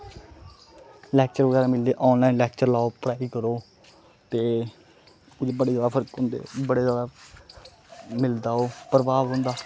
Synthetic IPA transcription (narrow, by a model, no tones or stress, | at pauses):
lɛːk̚t͡ʃəɾʋəɡɛːɾaːmɪld̪eːʔɔːnlaːinlɛːkt͡ʃəɾlaːoːpɾaːiːkəɾoː | t̪eː | ʊd͡ʒebəɽeːzaːd̪apʰəɾkɦʊ̃ːnd̪ḛːbəɽeːzaːd̪aː | mɪld̪aːoːpəɾəbaːʋɦʊ̃ːnd̪aː